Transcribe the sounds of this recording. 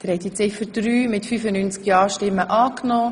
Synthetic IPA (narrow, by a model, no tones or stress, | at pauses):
d̥əɾhɛtɪt͡sɪfədɾyːmɪtfyfənynt͡skjɑːʃtɪmːəʔɑːknɔː